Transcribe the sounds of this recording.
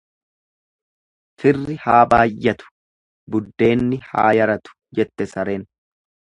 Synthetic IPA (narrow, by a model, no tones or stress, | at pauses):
t̪ɪrːɪhaːbaːjːɐt̪ʊ̥ | bʊd̪ːe̞ːnːɪha̰ːjɐɾɐt̪ʊ̥d͡ʒɛt̪ːɛsɐɾeːn